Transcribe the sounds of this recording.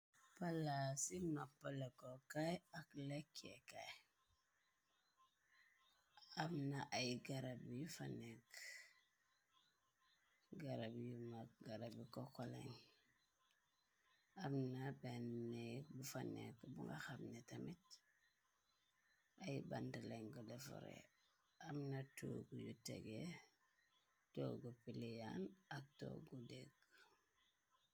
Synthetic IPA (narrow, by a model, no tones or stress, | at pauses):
palasimapːalakokajaklekḛka̰ | abnaʔajɡaɾabijufanek | ɡaɾabjumak̚ɡaɾabikokola̰ɲ | amnabɛnnek̚bufanekbuŋɡaxamnetamit | ajbantaleŋɡudɛfɔ̰ɾḛ | amnatoɡujutɛ̰ɡe | toːɡupilijanak̚to̰ɡudek